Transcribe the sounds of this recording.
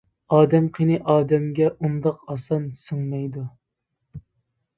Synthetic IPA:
ɑːd̪ɛmqʰenɨʔɑːd̪ɛmɡʲɛʔund̪ɑqɑsɑnsɨŋmɛjd̪u

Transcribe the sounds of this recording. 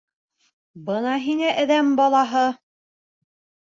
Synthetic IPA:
bɤnɑɦinæʔæ̆ðæmbɑlˠɑɦɤ

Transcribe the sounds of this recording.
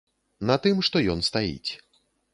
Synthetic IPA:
nɐt̪ɨmʂt̪ɔjɔnst̪ajḭt͡sʲ

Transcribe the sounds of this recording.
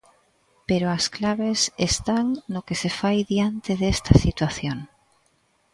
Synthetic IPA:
peɾoasklaβesest̪aŋnokesefajðjant̪eðest̪asit̪waθjoŋ

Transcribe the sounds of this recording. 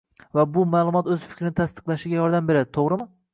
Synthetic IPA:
vabʊmaːlˠʊmɒt̪ɵz̥fɪ̥kʲɾɪnɪt̪ʰast̪ɨ̥qlˠaʃɪɡʲajɒɾd̪ambe̞ɾad̪ɪt̪ʰoʁɾɪmɪ

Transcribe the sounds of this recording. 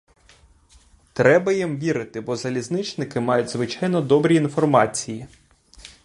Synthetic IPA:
t̪ɾɛbɐjimʋʲiɾɪt̪ɪbɔzɐlʲiznɪt͡ʃnɪkɪmɑjʊdʲzʋɪt͡ʃɑjnɔd̪ɔbɾʲiːnfɔrmɑt͡sʲiji

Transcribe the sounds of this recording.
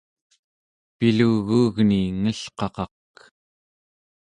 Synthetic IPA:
piluːɣuːɣniŋəɬqɑqɑq

